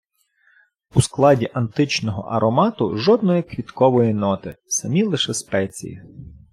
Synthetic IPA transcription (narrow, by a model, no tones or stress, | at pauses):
usklˠɑdʲiʔɐnt̪ɪt͡ʃnɔɦɔ̰ʔɐ̰ɾɔmɑt̪ʊ̰ʒɔd̪nɔjɛkʋʲit̪kɔʋɔjinɔt̪ɪsɐmʲilˠɪʃɛspɛt͡sʲḭjḭ